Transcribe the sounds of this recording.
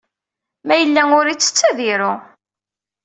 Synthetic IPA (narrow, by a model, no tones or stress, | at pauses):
mæjəlːæŋʊɾit͡sːə̥t͡sːæðiɾʊ